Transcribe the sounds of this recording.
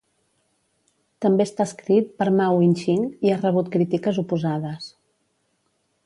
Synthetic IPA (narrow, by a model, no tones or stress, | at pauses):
t̪əmbeəst̪aəskɾit̪̚pəɾmawinʲʃiŋiarəβ̞ut̪̚kɾit̪ikəzupuzaðəs